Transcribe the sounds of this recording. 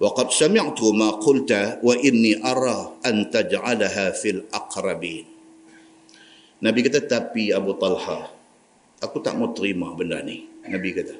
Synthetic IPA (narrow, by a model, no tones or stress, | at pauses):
wɑqɑd̪samɪʕt̪ʊmaqʊlt̪awaʔɪnːiʔɑɾˤɑʔant̪ad͡ʒʕalaɦaːfilʔɑqɾˤɑbiːn | abikat̪at̪apiabut̪ˤɑlha | ʔakut̪a̰ʔmot̪ɾimahbənda̰rninabikat̪a